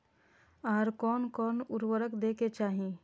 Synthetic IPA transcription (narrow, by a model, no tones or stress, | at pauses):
aːɾkɔːnkɔːnʊɾwəɾəkd̪eːket͡ʃaːɦĩ